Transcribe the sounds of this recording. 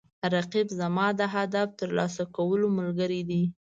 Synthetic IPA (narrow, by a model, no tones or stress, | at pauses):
ɾaqibzamɑd̪əɦad̪aft̪əɾlɑsakawəloməlɡəɾid̪i